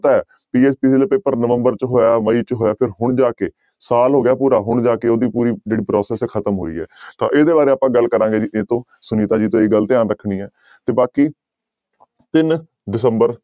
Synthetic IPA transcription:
t̪aːɛː | piːeːspiːseːlːpeːpəɾnəʋəmbəɾt͡ʃɦoːjaːməiːt͡ʃɦoːjaːpʰɪɾɦʊɳd͡ʒaːkeː | saːlɦoːɡɪjaːpuːɾaːɦʊɳd͡ʒaːkeːoːd̪iːpuːɾiːd͡ʒeːɽiːpɾɔːsɛːsɛːkʰət̪əmɦo̰ːḭːɛ̰ːt̪ã̰ːʔeːd̪eːbaːɾeːaːpãːɡəlkəɾãːɡeːd͡ʒieːt̪õː | sʊniːt̪aːd͡ʒiːt̪õːeːɡəlt̪ɪaːnɾəkʰɽ̃iːɛː | t̪eːbaːkiː | t̪ɪn | ɖɪsəmbəɾ

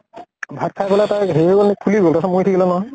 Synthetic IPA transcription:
bʱat̚kʰajpɛlatajɦeiɡɔlnik̚pʰuliɡoltasamujtʰikilɔnɔɦɔj

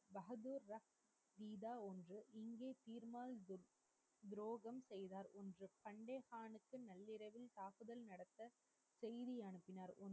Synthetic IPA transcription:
bɐɦɐðuːɾːɐf | ʋ̪iːðaːɔndrɯʔɪŋɡeːt̪iːɾmaːl | d̪ɾoːɣɐmsɛjðaːɾɔndrɯpɐɳɖeːhaːɳɯkːɯnɐlːɪɾɐʋɪlt̪aːkɯðɐlnɐɽɐt̪ːɐ | sɛjðijɐɳɯpːɪnaːɾɔn

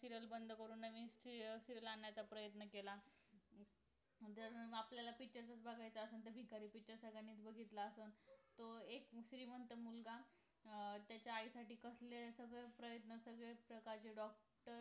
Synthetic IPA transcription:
siɾəlbənd̪ʱkəɾuːnːaʋisiɾəlaɳjat͡sapɾəjət̪nəkela | d͡z̪əɾapljalapit͡ɕəɾt͡sat͡sbʱəɡʱajt͡saəsəːnt̪əbʱikaɾiːpiʈt͡ɕəɾsəɡaniːt͡sbəɡʱit̪laəsəːnt̪oekɕɾiːmənt̪əmulɡa | t̪jat͡ɕjaːisaʈiːkəslesəɡɭepɾəjət̪nəsəɡɭepɾəkaɾt͡ɕeɖɔk̚ | ʈəɾ

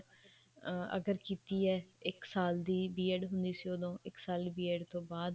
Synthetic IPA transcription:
ə̰ɡəɾkiːt̪iːɛːɪksaːld̪iːbiːeːɖɦʊnd̪iːsiːod̪õːɪksaːliːbiːeːɖt̪õːbaːd̪

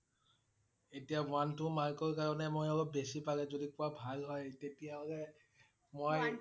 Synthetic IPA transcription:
etijãantʊmaɹkɔɹkaɹɔnɛmojɔlɔp̚besipaɡɛzodikuabʱalɦɔjtetijazɛ | moj

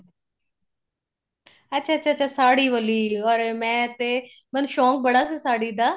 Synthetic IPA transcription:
ətːʃʰaːətːʃʰaːtːt͡ʃʰaːsaːɽiːʋəliːlɔːɾmɛ̃ːt̪eː | mənʃɔ̃ːŋk̚bəɽaːsiːsaːɽiːd̪aː

